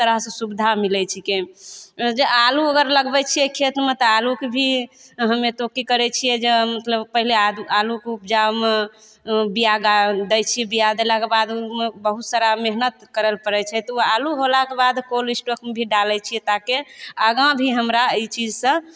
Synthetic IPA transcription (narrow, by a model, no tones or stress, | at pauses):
t̪əɾəɦsə̃subid̪ʱamilɛt͡ʃʰike | d͡ʒealuəɡəɾləɡbɛt͡ʃʰijɛkʰet̪met̪ɔalukebʱiɦəmet̪okikəɾɛt͡ʃʰijɛd͡ʒemət̪ləbpəɦilead̪ualukeup̚d͡ʒame | bijaɡad̪ɛjt͡ʃʰijɛbijad̪elakebad̪umebəɦut̪saɾameɦnət̪kəɾəlpəɾɛt͡ʃʰɛt̪ɔualuɦolakebad̪kolisʈokmebʱiɖalɛt͡ʃʰijɛt̪akeəɡãbʱiɦəmɾait͡ʃid͡ʒsə̃